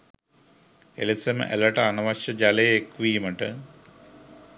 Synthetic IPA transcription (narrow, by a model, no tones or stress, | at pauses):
ḛlisɐmḛlɐʈanɐʋɐɕɐd͡ʑaleekʋiːmeɳʈɨ